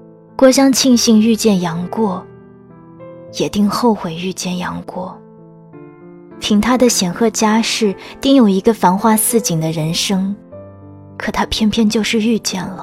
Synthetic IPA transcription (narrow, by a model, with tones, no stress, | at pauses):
kwɔ˥ɕ̬jɑ˥ŋt͡ɕʰi˥˧ŋɕi˥˧ŋy˥˧t͡ɕjɛ˥˩njɑ˧˥ŋkwɔ˥˩ | jɛ˨˩t̪i˥˧ŋxo˥˩ʊxwe˨˩ɪy˥˧t͡ɕjɛ˥˩njɑ̰˧˥ŋkwɔ˥˩ | p̪ʰi˧˥ŋt̪ʰa˥d̪ə˨ɕjɛ˨˩nxɤ˥˩t͡ɕja˥ʂɻ̩˥˩t̪i˥˩ŋjo˨˩ʊi˧˥ɡə˧fa˧˥nxwa˥˧sɹ̩˥˩t͡ɕi˨˩ŋd̪ə˦ɻə˧˥nʂɤ˥ŋ | kʰɤ̥˨˩t̪ʰa˥pʰjɛ˥npʰjɛ˥˧nt͡ɕjo˥˧ʊʂɻ̩˥˧y˥˧t͡ɕjɛ˥˩nlə˩